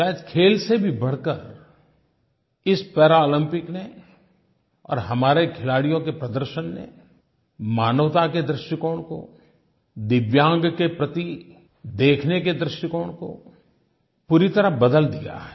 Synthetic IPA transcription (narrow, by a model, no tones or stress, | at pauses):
ʃaːjəd̪kʰeːlsebʱibɐɽ̤kəɾ | ɪspɛːɾaoːlə̃mpɪkne | ɔ̰ːɾɦɐmaːɾekʰɪlaːɽijõkepɾɐd̪əɾʃənːḛ | maːnəʋt̪aked̪ɾɪʃʈəkoːɽ̃ko̰ | d̪ɪʋjãːŋɡkepɾɐt̪i | d̪eːkʰneked̪ɾɪʃʈɪkoːɽ̃ko̰ | puːɾit̪əɾəɦbəd̪əld̪ija̰ɦɛ